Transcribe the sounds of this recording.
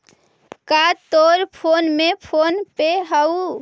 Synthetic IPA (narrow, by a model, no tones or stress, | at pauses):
kat̪oɾpʰonmepʰonpeɦəu